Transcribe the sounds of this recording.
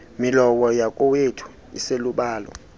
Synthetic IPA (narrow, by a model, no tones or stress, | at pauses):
milɔɓɔjakʼɔwetʰu̥ | ḭseluɓaːlɔ̰